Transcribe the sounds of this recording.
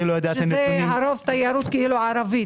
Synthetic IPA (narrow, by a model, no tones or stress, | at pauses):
ilojad̪eʃeneaɾovt̪ajaɾut̪keiluʕaɾavi